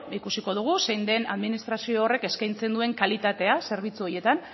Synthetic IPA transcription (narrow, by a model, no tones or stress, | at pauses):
ikusiko̞ð̞uɣ̞use̞jnd̪e̞na̰ðminist̪ɾasio̞ːre̞ke̞skajnt͡se̞nd̪ue̞ŋkalit̪at̪e̞ase̞ɾβ̞it͡suo̞je̞t̪an